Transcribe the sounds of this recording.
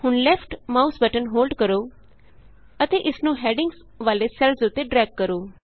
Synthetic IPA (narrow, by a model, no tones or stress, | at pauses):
hʊnlɛːpʰʈmaːusbəʈənɦoːlɖkəɾoː | ət̪eːʔɪsnũːɦɛːɖɪ̃ŋɡs | ʋaːleːsɛlzʊt̪ːeːɖɾɛːɡ̚kəɾoː